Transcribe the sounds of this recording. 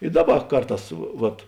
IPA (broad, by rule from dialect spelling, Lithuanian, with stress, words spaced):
ɪ ˈdɑːˌbɐ ˈkɐrˌtɑːs ʋɐt